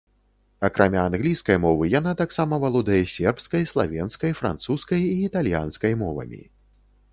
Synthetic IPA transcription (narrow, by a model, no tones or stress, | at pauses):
akɾʔamʲaːnɣlʲijskɐjmɔvɨjanat̪aksamɐvalˠɔd̪ɐjɛsʲɛrpskɐjslˠa̰vʲɛnskɐjfɾa̰nt̪suskɐjiːt̪alʲja̰nskɐjmɔvɐ̰mʲḭ